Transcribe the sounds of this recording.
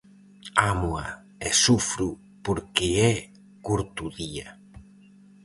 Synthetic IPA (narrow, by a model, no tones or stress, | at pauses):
amua | ɛsufɾu | poɾkɪɛ | kuɾt̪uðia